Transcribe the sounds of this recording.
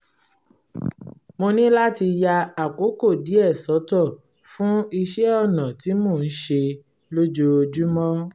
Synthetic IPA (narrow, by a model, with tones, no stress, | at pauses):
mo˧nĩ˦la˦ti˧ja˧a˨ko˨˦ko˦˨di˨˦ɛ˦˨sɔ˨˦tɔ˦˨ | fũ˦i˧ʃɛ˦ɔ˦˨nã˨ti˨˦mo˦˨n̩˦ʃe˧ | lo˦d͡ʒo˦o˧d͡ʒu˦mɔ̃˦